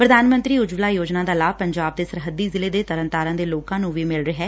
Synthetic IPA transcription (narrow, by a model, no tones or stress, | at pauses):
pɾəd̪aːnmənt̪ɾiːʊd͡ʒʋlaːjoːd͡ʒnãːd̪aːlaːʋpəɲd͡ʒaːb̚d̪eːsəɾɦəd̪iːzɪleːd̪eːt̪əɾənt̪aːɾãːd̪eːloːkãːnũːʋiːmɪlɾəɦɛː